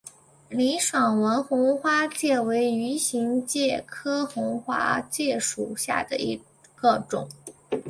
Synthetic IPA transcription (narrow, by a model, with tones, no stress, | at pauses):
li˧˥ʂwɑ˨˩ŋwə˧˥nxʊ˧˥ŋxwa˥t͡ɕjɛ˥˩we˧˥ɪy˧˥ɕi˧˥ŋt͡ɕjɛ˥˩kʰɤ˥xʊ˧˥ŋxwa̰˥t͡ɕjɛ˥˩ʂu˨˩ɕja̰˥˩d̪ə̰˩i˧˥ | ɡ̥ə˧ʈ͡ʂʊ̰˨˩˦ŋ